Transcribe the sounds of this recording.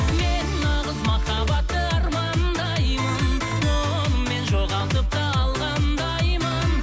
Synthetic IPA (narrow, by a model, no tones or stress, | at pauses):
menːɑʁəzmɑχɑbɑt̪ːəɑɾmɑnd̪ɑjmən | o | mːe̞nʒoʁɑlˠt̪əp̚t̪ɑɑlˠʁɑnd̪ɑjmən